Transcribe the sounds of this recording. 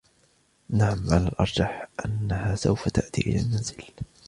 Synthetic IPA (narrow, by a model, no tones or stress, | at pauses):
naʕamʕalalʔɑ̰ɾˤd͡ʒɑħʔanːahaːsawfat̪aʔt̪ḭːʔɪlaːnːanzɪl